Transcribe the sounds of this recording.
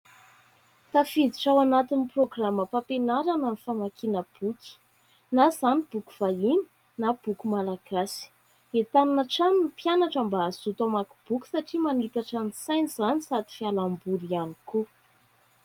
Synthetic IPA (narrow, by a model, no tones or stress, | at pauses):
t̪afid̪iʈ͡ʂawanat̪iniproɡraməpapenaɾananifamakinəb̥uki̥ | nazanib̥uku̥v̥aini̥ | nab̥ukumalaɡ̥asi̥ | et̪aninaʈ͡ʂaninpjanaʈ͡ʂəmbaːzut̪amaku̥b̥ukʲi̥saʈ͡ʂimanit̪aʈ͡ʂanisajniz̥anisad̪i̥fialambuɾianiku